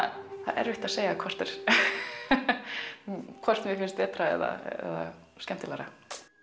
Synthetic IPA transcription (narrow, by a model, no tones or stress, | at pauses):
θaɛ̰ɾvɪht̪aðseːjakʰvɔr̥t̪ɛɾ̥ | kʰvɔr̥t̪mjɛfɪnst̪vɛːt̪ɾaɛ̰ða̰ɛ̰ða̰ | skɛm̥t̪ɪlɛɾa